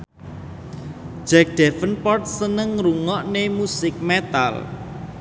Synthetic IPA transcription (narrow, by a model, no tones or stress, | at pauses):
ʒ̥ɛk̚ɖ̪̥ɛfənpɔrt̪̚sənəŋruŋɔʔnemusɪk̚mɛt̪a̰l